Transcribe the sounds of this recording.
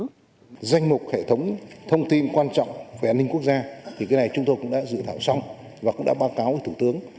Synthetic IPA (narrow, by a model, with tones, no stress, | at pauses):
za˧jŋ̟mʊ˨˩k͡p̚hḛ˧˨t̪ʰə˨˦wŋ͡mt̪ʰə˧wŋ͡mt̪i˧nkwaː˧nt͡ɕɔ̰˧˨wŋ͡mveː˧˩ʔaː˧nːï˧ŋ̟ku˦˥k̚zaː˧t̪ʰi˨˩kaː˨˦jna˨˩jt͡ɕʊ˨˦ŋ͡mt̪o˧jkʊ̰˧˥ŋ͡mɗa̰ː˧˥zɨ̰˧˨t̪ʰaː˧˩wsa˧wŋ͡m | vaː˨˩kʊ̰˧˥ŋ͡mɗa̰ː˧˥ɓaː˧wkaː˨˦wʔəː˧˩t̪u˧˩t̪ɨ˨˦əŋ